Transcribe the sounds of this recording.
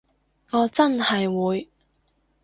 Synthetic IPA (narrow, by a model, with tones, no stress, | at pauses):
ŋɔː˨˧t͡sɐ˥nhɐ˨jwuː˨˧j